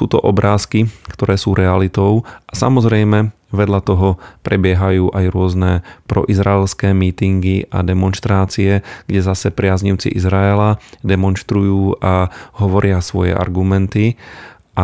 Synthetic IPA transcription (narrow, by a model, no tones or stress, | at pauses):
suːt̪ɔ̰ʔɔbɾaːskikt̪ɔɾɛːsuːɾʔɛalit̪ɔʊasa̰mɔzɾɛjmɛ | ʋɛd̪ʎat̪ɔɦɔpɾɛbɪɛɦajuːʔajɾʊɔznɛpɾɔ̰ʔizɾaɛlskɛːmiːt̪iŋɡiʔa̰d̪ɛmɔnʃt̪ɾaːt͡siɛɡ̥ɟɛzasɛpɾɪazɲiʊt͡sḭʔḭzɾaɛlad̪ɛmɔnʃt̪ɾujuːʔaɦɔʋɔɾɪasʋɔjɛ̰ʔa̰ɾɡumɛnt̪i | ʔa